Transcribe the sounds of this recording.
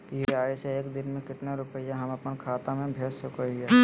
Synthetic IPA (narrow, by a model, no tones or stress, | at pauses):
kieaːiseeːkd̪ɪnmẽkɪʈneɾʊpəijaɦɐmɐpnkʰaːt̪amẽbʱeːssʊkoie